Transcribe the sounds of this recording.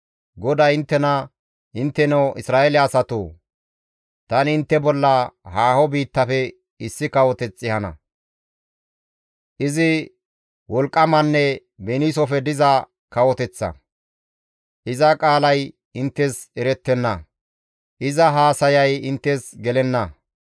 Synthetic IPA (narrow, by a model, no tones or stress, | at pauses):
ɡɔd̪ɐjɪnt̪ːɛnɐ | ʔɪnt̪ːɛnɛwʔɪsɾaːʔelɪɐsɐt̪o̰ː | t̪ɐnɪnt̪ːɛbɔlːɐhaːhɔbiːt̪ːɐfɛ | ɪsːɪkɐwɔt̪ɛt͡sʼːɪhɐnɐ̰ | ʔɪzɪ | wɔlkʼːɐmɐnːɛ | bɛniːsɔfɛd̪ɪzɐ | kɐwɔt̪ɛt͡sːɐ̰ | ʔɪzɐkʼaːlɐj | ɪnt̪ːɛsɛɾɛt̪ːɛnːɐ | ʔɪzɐɦaːsɐjɐjɪnt̪ːɛsɡɛlɛnːɐ